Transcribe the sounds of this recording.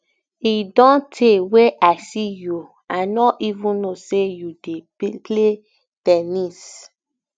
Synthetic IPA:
idɔ̃ntʰeweʔaɪsiju | anɔivũnosejude | pʰle | tɛnis

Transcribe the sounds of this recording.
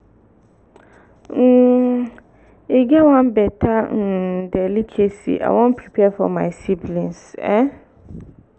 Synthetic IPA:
eɡɛwãnbɛtʰan̩dɛlikʰesḭʔa̰wɔ̃npʰɾipʰɛfɔ̰mã̰ɪsiblĩnsɛ̃

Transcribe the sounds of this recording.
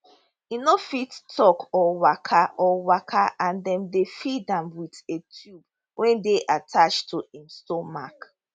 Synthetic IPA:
inofittʰːɔkɔwakʰaʔɔwakʰaʔãndɛ̃ndefidãmwitetʰjub | wʔɛ̃ndeʔatʰat͡ʃtʰuĩnstɔmak

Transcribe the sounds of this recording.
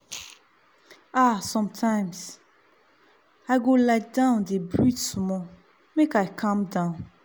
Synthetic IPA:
asɔ̃mtʰãɪ̃ms | aɪɡolaɪt̚dãʊ̃ndebɹitsmɔ | mekajkʰãmdãʊ̃n

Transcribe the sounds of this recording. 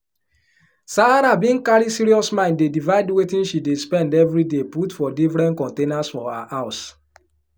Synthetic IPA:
saaɾabĩnkaɾisiɾiɔsmãɪ̃ndedivaɪdwetĩnʃidespɛ̃ndɛvɹideputfɔdifɾɛ̃nkɔ̃ntenasfɔaʔaʊs

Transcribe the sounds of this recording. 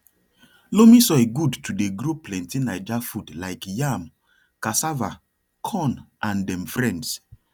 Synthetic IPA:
lomisɔeɡudtʰudeɡɾoplɛ̃ntinaɪd͡ʒafudlaɪkjam | kasava | kʰɔ̃nʔãndɛ̃mfɹɛ̃nds

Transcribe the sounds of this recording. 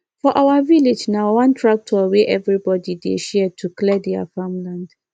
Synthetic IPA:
fɔʔawaviled͡ʒnawãntʰɹak̚tʰɔweʔɛvɹibɔdidḛʃɛɛtʰuklɛdɛa̰fãmlãnd̥

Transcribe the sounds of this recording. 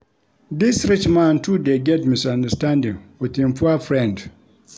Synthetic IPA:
disɹit͡ʃmãntʰudeɡɛtmisãndəstãndĩŋwiθĩmpʰuəfɹɛ̃nd

